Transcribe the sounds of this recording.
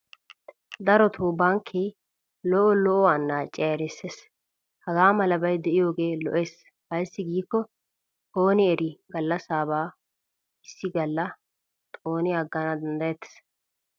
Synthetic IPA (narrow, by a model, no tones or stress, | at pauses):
d̪ɐɾɔt̪ʰubɐŋkʰːe | lɔʔɔlɔʔɔwanːaːt͡ʃʼːɛɛɾɛsːeːs | hɐɡaːmɐlɐbɐjd̪ɛʔɪjo̞ːɡe̞ːlɔ̰ʔeːs | hɐjsːɪɡiːkːɔ | tʼo̞ːnɪɛɾɪɡɐlːɐsaːbaː | ɪsːɪɡɐlːɐ | t̪ʼoːnɪɐɡːɐnɐd̪ɐnd̪ɐjɛt̪ːɛ̥s